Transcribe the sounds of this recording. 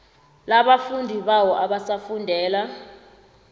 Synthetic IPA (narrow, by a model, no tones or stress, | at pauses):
laɓafundʱiɓawɔʔaɓasafundʱɛːla